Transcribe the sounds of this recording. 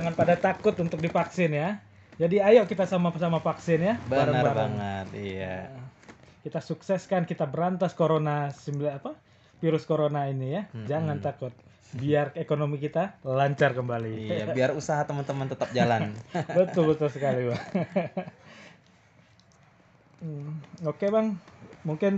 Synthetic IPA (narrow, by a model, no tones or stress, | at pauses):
aŋanpadat̪akʊt̪unt̪ʊk̚difaksɪnja | d͡ʒadiajaʔkit̪asamaasamafaksɪnjabəaɾanəbabaŋət̪ija̰ | kit̪asuksɛskankit̪abəɾant̪askoɾonasimblaapa | fiɾʊskoɾonainijad͡ʒaŋant̪akʊt̪̚ | biarekonomikit̪alaɲt͡ʃarkəmbaliabiarusaɦat̪əmant̪əmənt̪ət̪ap̚d͡ʒalannbət̪ʊlbət̪ʊlsəkaliba | okebaŋmuŋkɪn